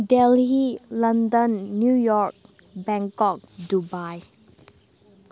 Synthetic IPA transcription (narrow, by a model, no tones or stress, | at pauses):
dɛlhilandənːjujɔɹk̚ | bɛŋkɔk̚dubaj